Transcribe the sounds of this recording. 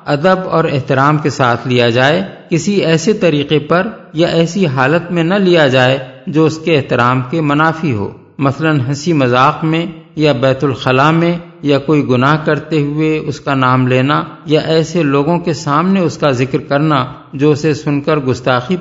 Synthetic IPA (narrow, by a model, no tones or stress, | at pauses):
ɐd̪əbɔ̰ːɾɪɦt̪ɪɾaːmkesaːt̪ʰlijad͡ʒaːekɪsiɛːset̪ɐɾiːqepɐɾjaʔɛːsiɦaːlət̪mẽnɐlijad͡ʒaːed͡ʒoːʊskeːɦt̪ɪɾaːmkemɐnaːfiɦo̰ː | mɐslənɦɐsimɐzaːqmẽ | jabɛːt̪ʊlxɐlamẽ | jakoːiɡʊnaːɦkɐɾt̪eɦʊeʊskanaːmleːnajaʔɛːseloːɡõkesaːmneʊskazɪkɾkɐɾna | d͡ʒoːʊsesʊnkəɾɡʊst̪aːxi